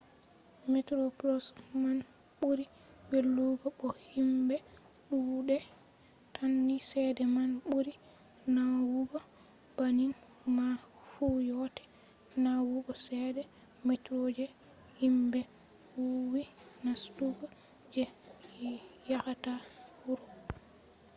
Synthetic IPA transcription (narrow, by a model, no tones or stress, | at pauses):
mɛtɾoplɔsman | ɓuɾi | welːuɡɔɓɔhimbɛ | ɗuɗɛ | tʰanːisɛdɛmanɓuɾi | nawuɡɔ | banin | ma | fujɔtɛ̥ | nawuɡɔsɛdɛ | met͡ʃɾod͡ʒɛ | himbɛ | wuwinastuɡa | d͡ʒɛ | jakatawuɾɔ